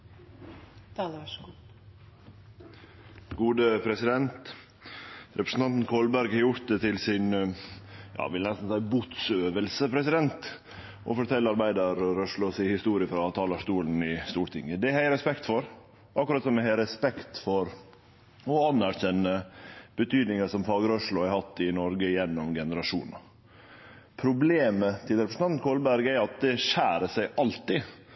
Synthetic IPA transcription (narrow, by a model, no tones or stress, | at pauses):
t̪ɑl | ɡuːd̪əpʰɾɛsɪd̪ɛnt̪ | ɾɛpɾəsn̩t̪ʰɑnt̪n̩kʰɔlbæɾɡhɑɾjʊɾt̪̚d̪ɛt̪ʰɪlsɪn | jɑ̰ːʋɪlənɛst̪n̩sæɪəbʊt̪søːʋəlsəpʰɾɛsɪd̪ɛnt̪ | ʔɔ̰fɔʈʰɛlːəɑɾbæɪd̪əɾːœʂlɔsɪhɪst̪uːɾɪəfɾɑt̪ʰɑːləʂt̪uːln̩ɪst̪uːɾʈ̪ɪ̰ŋəd̪ɛæhæɪɾɛspɛkt̪fɔɾ | ʔɑkːɾɑt̪sɔmɛhɛɾɛspɛkt̪fɔɾ | ɔɑnːæɾçɛnːəb̥ət̪ʰyːd̪nɪŋəʂɔmfɑːɡəɾɔʂlʊhæɾhɑt̪ːɪnɔɾɡəɪjɛnːɔmɡɛnəɾɑʂṵːnɑ | pʰɾʊbleːmət̪ʰɪlɾɛpɾəsn̩ɑnnkʰoːlbæɾɡæɾɑt̪̚d̪ɛʂæːɾəsæɪʔɑlt̪ɪ